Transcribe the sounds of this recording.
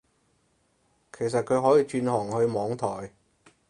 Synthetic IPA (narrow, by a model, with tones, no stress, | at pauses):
kʰe˨˩js̬ɐ˨t̚kʰɵ˨˧ɥɦɔː˨˥jiː˨˧t͡ʃyː˧nhɔː˨˩ŋhɵ˧ɥmɔː˨˧ŋt̪ʰɔː˨˩j